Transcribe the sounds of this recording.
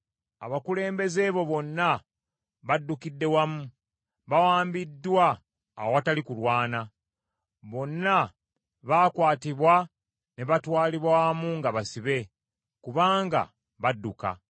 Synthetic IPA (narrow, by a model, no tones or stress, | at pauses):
a̰βakule̞ːmbe̞ze̞βo̞βo̞nːa | βadːukidːe̞wamu | βawaːmbidːwa̰ː | wowatalikulwaːna | βo̞nːa | βakwaːtiβwa | ne̞βatwaːliβwamuŋɡaβasiβe̞ | kuβaːŋɡa̰ | βadːuka̰